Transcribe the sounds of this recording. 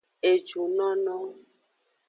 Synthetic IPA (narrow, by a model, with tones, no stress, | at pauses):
e˨d͡ʒu˨nɔ̃˦nɔ̃˦